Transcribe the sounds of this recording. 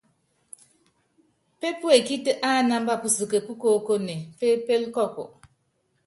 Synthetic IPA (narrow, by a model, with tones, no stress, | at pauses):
pe˦pu˦e˨ki˦tə˦ʔa˦˨na˦m˦ba˦pu˨sɨ˨kə˨pu˦ko˨ko˦ne˨pe˦pe˦lkɔ˦kɔ̰˨